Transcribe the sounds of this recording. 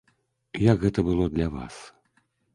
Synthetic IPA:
jakɣɛt̪ɐbɨlˠɔd̪lʲava̰s

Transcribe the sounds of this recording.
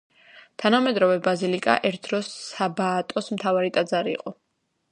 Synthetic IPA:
t̪ʰanamɛd̪ɾɔvɛbazilikʼa̰ʔɛɾt̪̚ʰd̪ɾɔsːabaːt̪ʼɔsmt̪ʰavaɾit̪ʼad̪zaɾḭːqʼɔ

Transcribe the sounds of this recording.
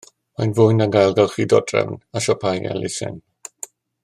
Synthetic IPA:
majnvʊjnaɡajlˠɡalˠχidɔdrɛ̰wnaʃɔpʰaja̰lɪsɛ̰n

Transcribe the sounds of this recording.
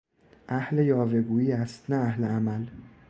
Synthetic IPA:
ʔæhle̞jɒːve̞ɡuːiːæst̪nææhleæmæl

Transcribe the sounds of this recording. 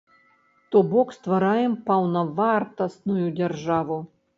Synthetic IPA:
t̪ɔbɔkst̪vaɾajɛmpɐwnɐvart̪ɐst̪nujud͡zʲɛrʐavu

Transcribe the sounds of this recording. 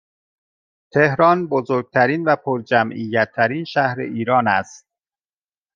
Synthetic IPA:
t̪ʰehɾɒːnbozoːɾɡ̚t̪ʰæɾiːnvæpʰoɾd͡ʒæmʔijːæt̪ʰːæɾiːnʃæhɾḛʔiːɾɒːnæst̪̚

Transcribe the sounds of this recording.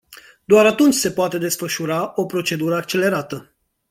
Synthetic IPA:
d̪oaɾat̪unt͡ʃʲse̞poat̪e̞d̪e̞sfəʃuɾao̞pɾo̞t͡ʃe̞d̪uɾəak̚t͡ʃe̞le̞ɾat̪ə

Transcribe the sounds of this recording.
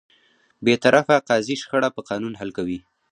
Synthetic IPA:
bet̪aɾʔafaqɑziʃxəɽapəqɑnunɦalkawi

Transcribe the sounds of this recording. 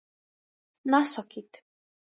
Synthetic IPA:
nasɔkʰit̪ʰ

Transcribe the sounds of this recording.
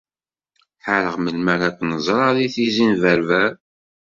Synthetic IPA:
ħaləʁməlmæɾækʷːnəzˤɾˤɑðiθizinvæɾvæɾ

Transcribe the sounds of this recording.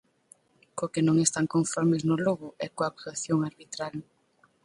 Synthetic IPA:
kokenõŋest̪aŋkõɱfɔɾmeznʊloɣʊʔɛkoapt̪aθjoŋaɾβit̪ɾal

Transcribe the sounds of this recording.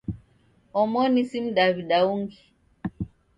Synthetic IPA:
ɔmɔnisim̩ɗaβiɗauŋɡi

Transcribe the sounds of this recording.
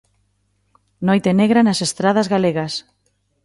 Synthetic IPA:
nojt̪eneɣɾanasest̪ɾaðazɣaleɣas

